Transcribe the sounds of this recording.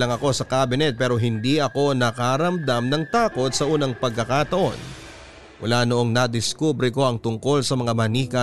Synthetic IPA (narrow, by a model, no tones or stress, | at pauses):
lɐŋɐko̞sɐkaːbɪnɛt̪̚pɛːɾo̞ɦɪnd̪iʔɐko̞nɐkaɾɐmd̪amnɐŋt̪aːko̞t̪̚sɐʔuːnɐŋpɐɡ̚kːɐkat̪ɐʔo̞n | mʊ̰laːnoʔo̞ŋnɐd̪ɪskuːbɾɪko̞ʔɐŋt̪ʊŋko̞lsɐmɐŋamɐniːkɐ